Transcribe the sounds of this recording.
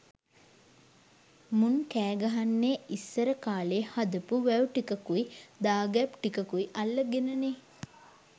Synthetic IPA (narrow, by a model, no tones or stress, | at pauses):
munkæːɡɐɦanːeːʔisːəɾəkaːleːhad̪əpuʋæwʈikəkuid̪aːɡɛpʈikəkuiʔalːəɡenəne